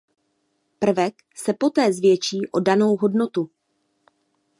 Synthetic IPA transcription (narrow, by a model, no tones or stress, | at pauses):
pr̩vɛk | sɛpo̞t̪ɛːzvjɛt͡ʃiːʔo̞dano̞wɦo̞dno̞t̪u